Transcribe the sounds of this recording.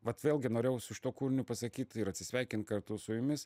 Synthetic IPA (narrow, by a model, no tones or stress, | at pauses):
ʋɐt̪ʋʲeːlʲˠɡʲɪnoːɾʲeːjɛʊsʊʃʲɪ̥t̪uɔkuːɾʲɪnʲʊpɐsɐkʲiːt̪ʲɪɾɐtʲsʲɪsʲʋʲɛɪkʲɪnt̪̚kɐrt̪ʊsʊjʊmʲɪs